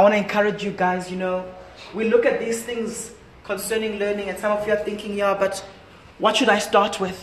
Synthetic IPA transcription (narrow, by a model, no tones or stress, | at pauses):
wɔ̃ñtuɛ̃nkʰaɹɪd͡ʒjuɡaɪzjunoʊwilʊkɨt̪̚ðiːz̥θɪ̃ŋz | kʰɔ̃nsɜːnɪ̃ŋlɜːnɪ̃ŋɛ̃nsãmɔvjuaθɪ̃ŋkɪ̃ŋjuabat | wɔtʃuɾaɪstatʰwɪð̥